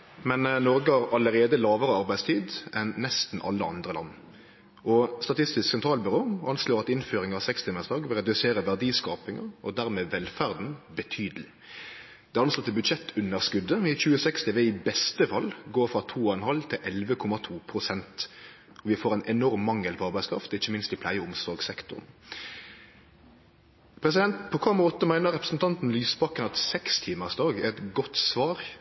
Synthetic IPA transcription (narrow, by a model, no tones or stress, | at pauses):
mɛnnɔɾɡəɑɾɑləɾeːd̪əlɑːʋəɾəɑɾbæɪdst̪ʰiːd̪ʔɛnːɛst̪n̩ʔɑ̰lːəɑ̰nd̪ʁəlɑ̰nː | ʔɔst̪ɑt̪ʰɪst̪ɪsksɛnt̪ʰɾɑːlbʏɾoːʔɑnsloːɾɑt̪ɪnføːɾɪŋɑsɛkst̪ɪmɛsd̪ɑːɡʋɛʁɛd̪ʉseːɾəʋæʁd̪iːskɑːpɪŋəɾɔd̪æʁmeːʋɛlfæʁd̪n̩bət̪ʰyːd̪əlɪ | d̪̥ɛɑnslɔːt̪ʰːɪlbʉd̪ʃɛt̪ʰːʉnːəʁskʉd̪ːəɪçʉːəsɛkst̪ɪʋɛɪbɛst̪əfɑlːɡoːɾfʁɑt̪ʰuːɔɛnhɑlt̪ʰɪlʔɛlʋəkʰɔmɑt̪ʰuːpʰɾʊsɛnt̪ | ɔʋɪfoːɾɛɪnʔɛnɔɾmːɑŋːəlpʰɔɑʁbæɪskɾɑ̰ft̪ɪçːəmɪnst̪ɪpʰlæɪəʊmsɔɾɡsɛkt̪ʊ̰ʁn | pʰɾɛsɪd̪ɛnt̪pʰɔkʰɔmɔt̪ːəmæɪnəɾɛpɾəsn̩t̪ʰɑnt̪n̩lyːsbɑkənɑt̪sɛkst̪ʰiːməʁsd̪ɑːɡɛʁɛt̪ɡɔt̪sʋɑːɾ